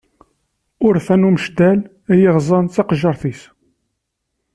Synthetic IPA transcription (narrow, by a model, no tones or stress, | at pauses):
ʊɾθænuməʃd̪æl | æjiʁzˤɑnt͡sːɑqʒəɾˤθis